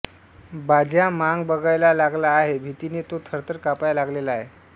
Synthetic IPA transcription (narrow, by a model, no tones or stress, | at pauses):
bad͡ʑjamaŋɡbəɡajlalaɡlaːɦebʱit̪iniːt̪ot̪ʰəɾt̪əɾkapajlaɡlelaːɦe